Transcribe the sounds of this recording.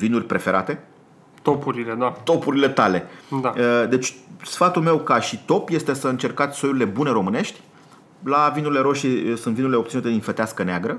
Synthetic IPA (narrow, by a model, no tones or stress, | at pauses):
vinurʲpɾe̞fe̞ɾʔa̰t̪e̞ | t̪opuɾiled̪at̪o̞puɾile̞t̪ale̞d̪aəd̪e̞t͡ʃʲsfat̪ulme̞wkaʃit̪o̞pje̞st̪e̞səɨnt͡ʃe̞rkat̪sʲso̞juɾile̞bune̞ɾo̞mɨne̞ʃt̪ʲ | lavinuɾileɾo̞ʃisunt̪vinuɾile̞opt̪siut̪e̞d̪infet̪easkəneaɡɾə